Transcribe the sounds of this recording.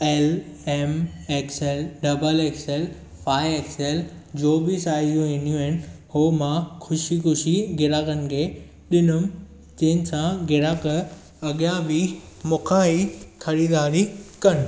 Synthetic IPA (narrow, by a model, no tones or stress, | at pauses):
eːleːmeːkseːlɖɐbəleːkseːl | fʰaːieːkseːld͡ʑoːbɪsaːijũɦẽːnijũɪn̆hoːmãxʰʊʃixʊʃiɡɪɾaːkənɪ̆kʰeː | ɗɪnʊm | t͡ɕɐ̃ɦɪ̃nɪ̆sãɡɪɾaːkə | ɐɠijãbɪ | mʊkʰãɦikʰɐɾiːd̪aːɾikɐñɪ̆